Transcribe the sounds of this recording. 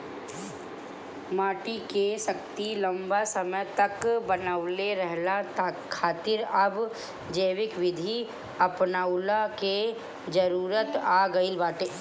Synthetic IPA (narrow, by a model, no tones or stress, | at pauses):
maːʈikesɐkt̪ilə̃mbasəməjt̪ɐkbənəʋleɾɛɦlat̪ʰːaːt̪ɪɾɐb | d͡ʒəːʋɪkʋɪd̪ʱi | ɐpnaʊlake | d͡ʒəɾuːɾət̪aːɡəilbaːʈeː